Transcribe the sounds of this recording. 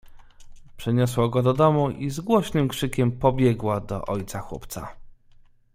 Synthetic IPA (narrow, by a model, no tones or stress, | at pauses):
pʂɛɲɔswɔɡɔd̪ɔd̪ɔmuʔizɡwɔɕnɘmkʂɘkʲɛmpɔbʲjɛɡwad̪ɔ̰ʔɔjt̪saxwɔ̰pt̪sa̰